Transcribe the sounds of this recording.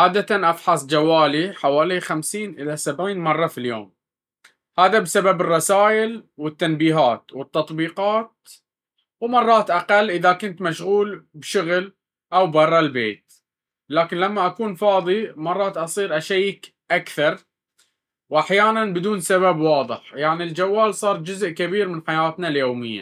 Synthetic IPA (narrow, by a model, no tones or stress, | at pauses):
ʕaːd̪at̪anʔɑfħɑsˤd͡ʒawːaːliħawaːlixamsiːnʔɪlasabʕiːnmɑrˤːɑfiljo̰ːm | haːðabsababɨrˤːɑsaːjʔɪlwɪt̪ːanbiːɦaːt̪wɪt̪ːɑt̪ˤbiːqɑːt̪̚ | wmɑrˤːɑːt̪ʔaqalːʔɪðakʊnt̪maʃɣuːlbʃʊɣl | ʔawbɑrˤːɑlbḛːt̪̚ | laːkɪnlamːaʔakuːnfɑːðˤimɑrˤːɑːt̪ʔɑsˤiːɾʔaʃajɪk | ʔakθɑɾˤ | wʔaħjaːnanbɪd̪uːnsaβabwɑːðˤɨħjaʕnild͡ʒawːaːlsˤɑːɾˤd͡ʒʊzʔkabiːɾmɪnħajaːt̪naljoːmɪjːa̰